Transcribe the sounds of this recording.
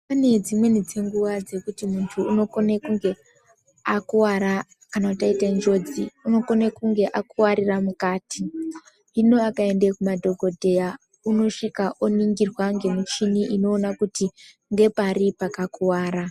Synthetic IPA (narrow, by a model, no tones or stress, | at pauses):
pane̞d͡zimwe̞nid͡ze̞ŋɡuʋad͡ze̞kutimuntʰuːno̞konekuŋɡe̞ | akuwaɾa | kanakutaitend͡ʒo̞d͡ziuno̞ko̞nekuŋɡe̞ʔakuwaɾiramukaːti | ino̞akae̞ndekumadʱo̞ɡʱo̞dʱe̞ja | uno̞ʂikaʔoniŋɡirwaŋɡe̞mut͡ʃiniʔino̞ːnakuti | ŋɡe̞paɾipakakuwaːɾa